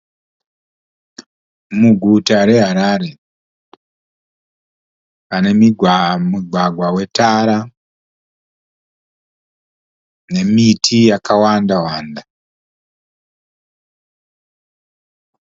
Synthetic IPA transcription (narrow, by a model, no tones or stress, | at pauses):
muɡʱutaɾe̞ɦaɾaːɾe̞ | pane̞mimuɡʱwaɡʱwawe̞taɾa | ne̞mitʰijakawandawaːnda